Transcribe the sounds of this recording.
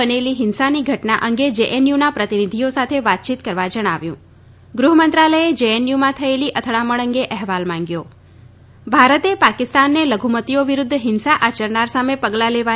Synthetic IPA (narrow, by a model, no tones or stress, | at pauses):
əneliɦɪnsaniɡʱəʈnaʔəŋɡed͡ʒeʔenjunapɾət̪inid̪ʱijosat̪ʰeʋat̪̚t͡ʃit̪kəɾʋad͡ʒəɽ̃aʋjṵ̃ | ɡɾuɦəmənt̪ɾaləjed͡ʒeenjumãt̪ʰəeliʔət̪ʰəɭaməɭəŋɡeʔɛɦʋalmãŋɡjo | bʱaɾət̪epakɪst̪anːeləɡʱumət̪ioʋiɾʊd̪ʱːɦɪnsaʔat͡ʃəɾnaɾsamepəɡlaleʋa